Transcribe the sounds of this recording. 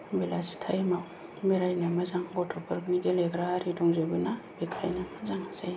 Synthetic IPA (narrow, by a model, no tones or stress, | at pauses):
bilastʰajmaw | beɾajnamazaŋɡɔtʰɔpʰɔɾkniɡeleɡɾaːɾiduŋzebɯnabekʰa̰jnamazaŋzaj